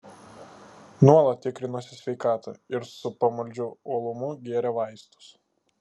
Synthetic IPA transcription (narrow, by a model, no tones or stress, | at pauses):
nuɔlˠɐt̪ʲɪkɾʲɪnusʲɪsʲʋʲɛɪkɑːt̪ɐ̰ɪɾsʊpɐmɐlʲd͡ʒʲʊoːlˠʊmʊɡʲeɛɾʲɛʋɐɪst̪ʊ̥s